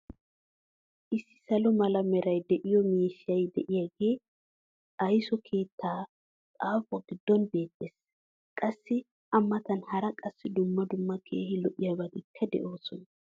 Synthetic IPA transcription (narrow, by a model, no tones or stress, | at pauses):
ʔɪsːɪ̥sɐlɔmɐlɐmɛɾɐjd̪ɛʔɪjɔmiːʃɪjɐjd̪ɛʔɪjaɡe̞ː | ʔɐjsɔkʰe̞ːt̪ːaː | kʼaːfɔɡɪd̪ːɔnbe̞ːt̪ʼːeːs | kʼɐsːɪ | ʔɐmːɐt̪ɐnhɐɾɐkʼɐsːɪd̪ʊmːɐd̪ʊmːɐkʰeːhɪlɔʔɪjabɐnɪkʰːɐd̪ɛ̰ʔo̞ːsɔnɐ